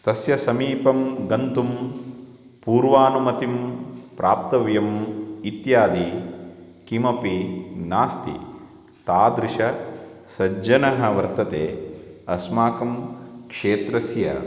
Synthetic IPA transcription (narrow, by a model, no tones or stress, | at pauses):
t̪ɐsjɐsɐmiːpɐmɡɐnt̪um | puːɾʋaːnumɐt̪impɾʔaːp̚t̪ɐʋjɐmit̪jaːd̪i | kimɐpinaːst̪ḭ | t̪aːd̪ɾɪʃɐsɐd͡ʒɐnɐɦɐʋɐɾt̪ɐt̪eːɐsmaːkɐmkʂeːt̪ɾɐsjɐ̰